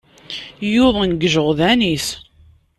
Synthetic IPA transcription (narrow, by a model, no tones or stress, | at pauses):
jʊðˤənɡəʒəʁðænis